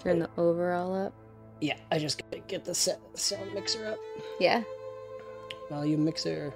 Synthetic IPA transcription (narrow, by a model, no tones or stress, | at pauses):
ə˞ɨ̃nðiʔoʊvə˞ɔlˠʌp̚ | jæaɪd͡ʒʌsɡ̥ɡ̥ɛt̪̚ðɨsɛt̚sõʊ̃nmɪksə˞ʌp̚jæ | wɛlˠjɨmɪksə